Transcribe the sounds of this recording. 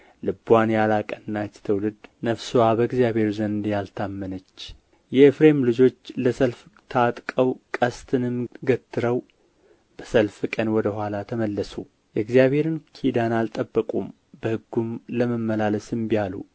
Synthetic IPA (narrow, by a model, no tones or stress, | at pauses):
lɨbwanjalakʼənːat͡ʃːt̪ʰəwlɨd̪nəfsuwabəɡzjaβʱhe̞ɾzənd̪jalt̪ʰamːənət͡ʃː | jɛfɾemlɨd͡ʒo̞t͡ʃːləsəlft̪ʰat̪ʼkʼəwkʼəst̪ʰɨnɨmɡət̪ːɨɾəw | b̥əsəlfkʼənwɔd̪əɦʷwalat̪ʰəməlːəsu | jɛɡzijaβhe̞ɾɨnkʰid̪analt̪ʼəbːəkʼum | bəhɨɡːumləməmːəlaləsɨmbijalṵ